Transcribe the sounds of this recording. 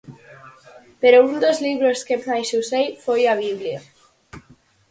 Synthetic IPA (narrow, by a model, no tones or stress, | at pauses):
peɾound̪ozliβɾoskepnajsusejfojaβ̞iβlja